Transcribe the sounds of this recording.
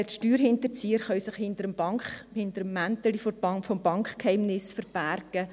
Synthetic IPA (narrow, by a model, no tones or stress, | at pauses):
ʃtyːɾhɪnt̪əɾt͡siːəɾχœʏsɪχhɪntəɾəmbɑŋkχhɪntəɾəmːæntəliffɔmb̥ɑŋkχkhɛɪmnɪsfəɾb̥æɾɡ̥ə